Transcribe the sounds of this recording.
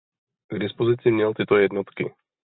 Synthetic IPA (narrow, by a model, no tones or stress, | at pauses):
ɡd̪ispɔziːt͡siːmɲɛlt̪ɪɛt̪ɔjɛd̪nɔt̪kḭ